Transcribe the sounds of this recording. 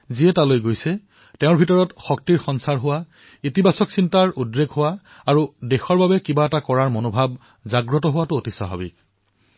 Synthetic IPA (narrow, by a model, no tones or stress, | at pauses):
ziɛtalojɡojsɛ | teʊ̃ɹbʱitɔɹɔtxɔk̚tiɹxɔnsaɹɦʊwa | itibʱasɔksintaɹudɹeɡɦʊwaː | ɹudexɔɹbabɛkibaɛtakɔɹaɹmonobʱab̚ | zaɡɹɔtɔɦʊwatʊotisa̰bʱa̰bḭk